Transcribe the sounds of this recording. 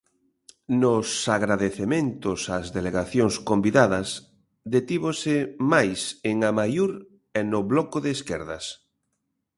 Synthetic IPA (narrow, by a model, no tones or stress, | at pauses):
nosaɣɾaðeθemẽnt̪osazðeleɣaθjoŋskombiðaðɐs | d̪et̪iβosɪmajseŋamajuɾ | ɛnʊβlɔkoðeːskɛɾðɐ̰s